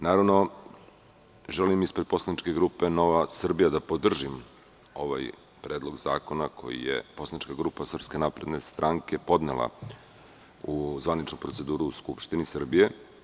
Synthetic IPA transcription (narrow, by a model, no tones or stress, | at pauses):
naːɾaʋno̞ | ʒelimispɾepo̞slˠanit͡ʃke̞ɡɾuːpeno̞ʋasr̩bijad̪apo̞d̪r̩ʒim | o̞ʋa̰j | pɾe̞ːd̪lˠo̞ɡza̰ːko̞nakʰo̞̰jḭjḛposlanit͡ʃkaɡɾuːpasr̩pske̞napɾe̞d̪nest̪ɾʔaŋke̞po̞d̪nḛlˠa̰ | uzʋanit͡ʃnupɾotse̞d̪uːɾuːskupʃt̪inisr̩bije̞